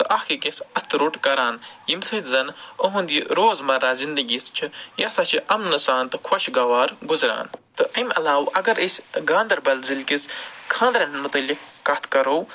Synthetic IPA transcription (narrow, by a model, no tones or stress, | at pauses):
t̪ɨʔɐhkikisɐt̪ɾuʈkɐɾaːnjimsɐt̪zɐnoɦũnd̪iɾoːzmɐɾaːzind̪ɐɡʲist͡ʃʰijɐsɐt͡ʃʰiʔɐmnɐsaːnt̪ɨkʰwɐʃʰɡɐʋaːɾɡuzɾa̰ːnt̪ɨʔɐmʲɐlaːwɐɡɐɾisʲɡaːnd̪ɐɾbɐlzilkiskʰãːnd̪ɾɐnmut̪ɐlʲikɐt̪ʰkɐɾow